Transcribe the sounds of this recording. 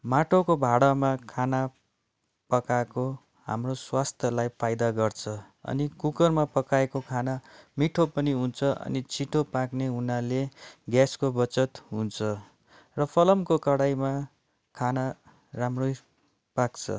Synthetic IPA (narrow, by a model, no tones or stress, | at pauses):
maʈʰokobʱaɽʌmakʰana | pʌkako | ɦa̰mroswast̪ʰjʌlajpʰajd̪aɡʌrt͡sʰʌ | ʌ̰nikukʌrmapʌkaekokʰanamiʈʰopʌniɦunt͡sʰʌʔʌ̰nit͡sʰiʈʰopakneɦunaleɡjaskobʌt͡sʌt̪ɦunt͡sʰʌ | rʌpʰʌlʌmkokʌɽajma | kʰana | ramroj | pakt͡sʰʌ̰